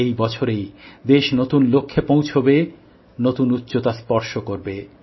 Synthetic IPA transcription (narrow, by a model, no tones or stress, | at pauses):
ejbɔt͡ɕʰoɾejd̪eʃnot̪unlokʰːepõwt͡ɕʰobe | not̪unut̪ːɕot̪aspɔɾʃokoɾbe